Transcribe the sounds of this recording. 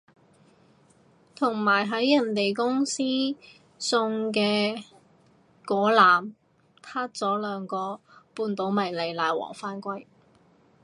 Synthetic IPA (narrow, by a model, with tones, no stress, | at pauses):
t̪ʰʊ˨˩ŋmaː˨˩jɦɐ˨˥jːɐ˨˩nt̪e˨jkʊ˥ŋsiː˥ | sʊ˧ŋk̬ɛː˧ | kɔː˨˥laː˨˩m | t̪ʰaː˥t̚t͡sɔː˨˥lœː˨˧ŋkɔː˧ | puː˧nt̪o˨˥wmɐ˨˩jle˨˩jlaː˨jwɔ̰ː˨˩ŋfaː˥nkʷɐ˥j